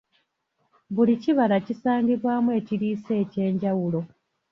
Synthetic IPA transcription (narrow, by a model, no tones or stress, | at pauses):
βuliciβalacisaːɲɡiβwaːmuwe̞ːciɾiːse̞ːce̞ːɲɟawulo̞